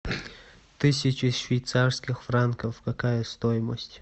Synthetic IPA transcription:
t̪ɨsʲɪt͡ɕɪʃvʲɪjt̪sarskʲɪxfrankəfkɐkajəst̪ojɪməsʲtʲ

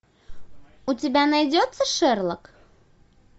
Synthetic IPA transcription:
utʲɪbʲænɐjdʲot̪səʂɘrlˠək

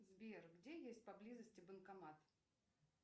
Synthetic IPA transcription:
zbʲerɡdʲejesʲt̚ʲpɐblʲizəsʲtʲɪbənkɐmat̪

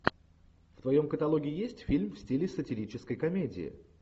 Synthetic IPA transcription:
ft̪vɐjo̞mkət̪ɐlˠoɡʲɪɪjesʲtʲfʲilʲmfsʲtʲilʲɪsətʲɪɾʲit͡ɕɪskəjkɐmʲedʲɪ̰ɪ̰

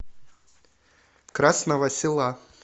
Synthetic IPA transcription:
kɾasnəvɐsʲɪlˠa

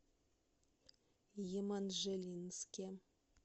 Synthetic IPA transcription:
jemanʒelʲinskʲem

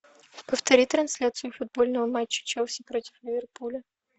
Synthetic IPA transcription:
pəft̪ɐɾʲit̪ɾɐnsʲlʲat̪sɨjʊfʊd̪̚bo̞lʲnəvəmat͡ɕːə̥t͡ɕɛlˠsʲɪpɾotʲɪ̥flʲɪvʲɪrpulʲə

